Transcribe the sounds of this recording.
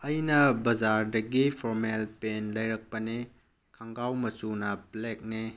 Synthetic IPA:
ɐjnɐbɐd͡ʒaɾdɐɡipʰoɾmelpenlɐjɾɐk̚pɐne | kʰaŋɡawmɐsunɐplek̚ne

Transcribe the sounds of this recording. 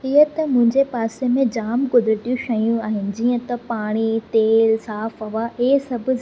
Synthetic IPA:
ɪɦət̪ɐmʊ̃ɦɪ̃ɲd͡ʑepaːsemẽd͡ʑaːmkʊd̪ɪɾɪʈ̪ijũʃɐjũaːɦɪnɪ̆d͡ʑiːə̃t̪ɐpaːɽ̃it̪eːlsaːfɦɐʋaʔɪɦsɐbʱʊ̆

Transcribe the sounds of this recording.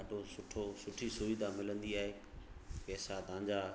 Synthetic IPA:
ɖʱosʊʈʰosʊʈʰisʊʋid̪amɪlə̃nd̪iaːɦeː | pɛːsad̪ãːɲd͡ʑa

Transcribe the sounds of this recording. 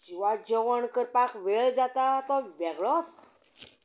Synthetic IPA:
d͡ʑiʋad͡ʑəʋəɳkəɾpakʋeɭd͡zat̪at̪ɔʋɛɡɭɔt͡s

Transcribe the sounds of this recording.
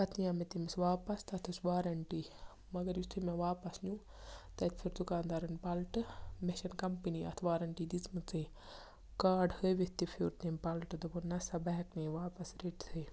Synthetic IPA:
ɐt̪ʰjaːmet̪imsʋaːpɐst̪ɐt̪ʰɨsʋaːɾɐɳʈi | mɐɡɐɾjist̪ʰumeʋaːpɐsnʲu | t̪ɐt̪ʰpʰiɾd̪ukaːnd̪aːɾɐnpalʈɨmeʃɐnkɐmpiniːɐ̰t̪ʰʋaːɾɐɳʈiːd̪it͡smɨt͡sɨː | kaːɖhəjʋit̪ipʰiɾt̪empɐlʈɨd̪ɐbonːɐsɐbɐɦɐkneːʋaːpɐsɾeʈt̪ʰɨj

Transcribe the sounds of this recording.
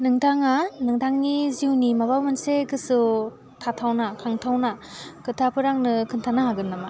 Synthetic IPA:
nɯŋtʰaŋanɯŋtʰaŋniziwnimabawmanseɡɯsu | tʰatʰawnakʰaŋtʰawnakɯtʰapʰɯɾaŋnɯkʰɯntʰanaɦaɡɯnːama

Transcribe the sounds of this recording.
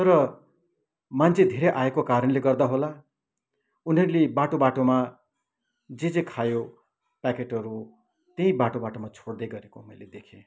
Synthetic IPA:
t̪ʌɾʌ | mant͡sʰed̪ʱeɾʌjʔaekokaɾʌnleɡʌrd̪aɦola | uniʌɾulebaʈobaʈoma | d͡zed͡zekʰajo | pakeʈʌɾu | t̪eɦĩbaʈobaʈomat͡sʰoɽd̪ʌjɡʌɾekomʌjled̪ekʰẽ

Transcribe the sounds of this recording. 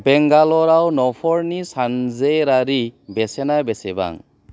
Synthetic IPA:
bɛŋɡalɔɾawnɔpʰɔɾnisanzejɾaɾibesenabeseba̰ŋ

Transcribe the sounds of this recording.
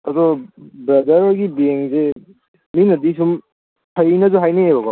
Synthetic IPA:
ɐd̪ɔbɾɐd̪ɐɾɔɾɡibeŋze | minɐdisum | hʰɐjnɐzuɦajneebɐɡɔ

